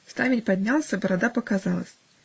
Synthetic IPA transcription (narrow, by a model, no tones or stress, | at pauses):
st̪amʲɪtʲpɐdʲnʲalˠsʲəbəɾad̪apəkazalˠə̰sʲ